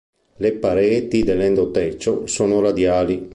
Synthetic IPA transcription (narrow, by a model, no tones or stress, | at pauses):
lepaɾɛːt̪id̪elːɛnd̪ot̪ːɛt͡ʃːosoːnoɾad̪jaːli